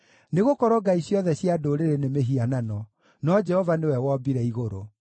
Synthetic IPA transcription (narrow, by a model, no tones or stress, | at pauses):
neɣokɔɾɔɡaisjɔðɛɕjadoɾeɾenemeɦiananɔ | nɔd͡ʒɛhɔvanewɛwɔbiɾɛiɣoɾo̰